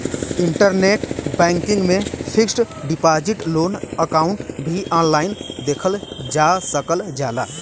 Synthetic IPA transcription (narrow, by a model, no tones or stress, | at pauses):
ɪɳʈəɾneːʈbɛ̃ːŋkɪ̃ŋɡmẽpʰɪks | ɖɪpaːd͡ʒɪʈloːnəkaːʊɳʈbʱiʔaːnlaːɪnd̪eːkʰəld͡ʒaːsəkəld͡ʒaːla̰ː